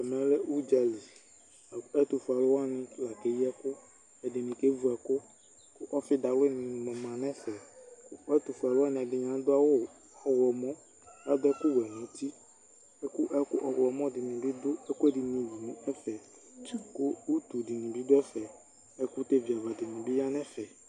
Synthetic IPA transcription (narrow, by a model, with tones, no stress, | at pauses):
ɛ˨mɛ̃˨˦lɛ˦ʔu˦d͡ʒa˨li˨ | ɛ˦t̪ʊ˨fu˨a˨lʊ˦wa˦nɪ̃˨la˨ke˨˦ji˦ɛ˦kʊ˦ | ɛ˨dɪ˨nɪ̃˨ke˦vu˦ɛ˨kʊ˦ | kʊ˦ʔɔ˦fɪ˦da˨lʊ˦nɪ̃˨mɔ̃˨mã˨nɛ̃˦fɛ˨kʊ˦ɛ˦t̪ʊ˨fu˨a˨lʊ˦a˦nɪ̃˨ɛ˨dɪ˨ɲã˨˦d̪ʊ˦a˦wʊ˦˨ | a˨wɔ˨mɔ̃˦ | wa˦dɛ˦kʊ˦wɛ˨nũ˨˦ti˦ | ɛ˦kʊ˦ʔɛ˦kʊ˦ʔɔ˨wlɔ˨mɔ̃˦dɪ˨nɪ̃˨bɪ˦dʊ˦ɛ˦kʊ˦ɛ˦dɪ˨nĩ˨wi˨nũ˨ɛ˦fɛ˨˦ | kʊ˦u˦tu˨dɪ˨nĩ˨bɪ˦dʊ˦ɛ˦fɛ˨ | ɛ˦kʊ˦te˦vi˨a˨va˨dɪ˨nɪ̃˨bɪ˦ja˦nɛ̃˦fɛ˨